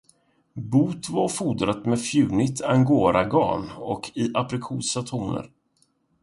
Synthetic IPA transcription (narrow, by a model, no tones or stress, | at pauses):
buːt̪vaɾfuːd̪ɾat̪mɛfjʉ̟ːnɪt̪ʰaŋɡoːɾaɡɑ̰ːnɔkʰɪʔapɾɪkʰuːsat̪ʰuːnə̰ɾ